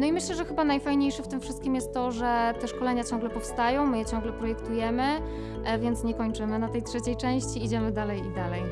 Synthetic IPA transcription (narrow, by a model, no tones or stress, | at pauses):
nɔimɘɕlɛʐɛxɘbanajfajɲejʂɘft̪ɘmfʂɘst̪̚kʲimjɛst̪ːɔʐɛt̪ɛʂkɔlɛɲat͡ɕɔ̃ŋ̃ɡlɛpɔfst̪ajɔ̃w̃mɘjɛt͡ɕɔ̃ŋ̃ɡlɛpɾɔjɛkt̪ujɛmɘ | vʲjɛnt̪sɲɛkɔɲt͡ʂɘmɘnat̪ɛjtʂɛt͡ɕejt͡ʂɛ̃w̃ɕt͡ɕiːd͡ʑɛmɘd̪alɛjid̪alɛj